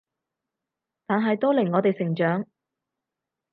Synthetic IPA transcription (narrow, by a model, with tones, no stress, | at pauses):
t̪aː˨nɦɐ˨jt̪ɔː˥lɪ˨˩ŋːɔː˨˧t̪e˨jsɪ˨˩ŋt͡ʃœː˨˥ŋ